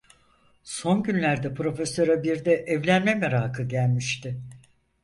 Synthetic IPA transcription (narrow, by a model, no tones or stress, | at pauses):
so̞nɟynlʲæɾd̪ɛpɾo̞fesø̞ɾabiɾd̪ɛʔɛvlʲænmɛmeɾaːkʰɯɟælʲmiʃt̪ɪ